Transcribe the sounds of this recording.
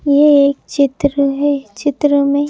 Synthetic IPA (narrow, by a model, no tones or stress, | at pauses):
jeeːk̚t͡ʃɪt̪ɾəɦɛt͡ʃɪt̪ɾəmẽ